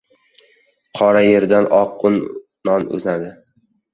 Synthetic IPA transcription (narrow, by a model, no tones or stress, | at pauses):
qʰɒɾaje̞ɾd̪anɒqːʊnː | ɒnɵ̰znad̪ɪ